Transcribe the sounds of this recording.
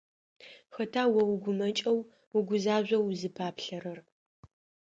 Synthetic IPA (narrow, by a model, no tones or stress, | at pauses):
xɐtʰaːwɐwɡʷʊmɐt͡ʃʼɐw | ʊɡʷʊzaːʑʷɐwzɨpʰaːpʰɬɐɾɐr